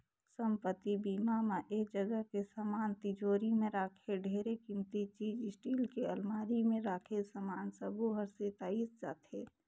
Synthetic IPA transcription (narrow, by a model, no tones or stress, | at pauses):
səmpət̪ibiːmamaʔeːk̚d͡ʒəɡəɦkesamaːnt̪ɪd͡ʒoːɾimẽɾaːkʰeɖʱeːɾekɪmt̪it͡ʃiːd͡ʒɪsʈiːlkeəlmaːɾimẽɾaːkʰesəmaːnsəbuɦəɾset̪aːisd͡ʒa̰ːt̪ʰe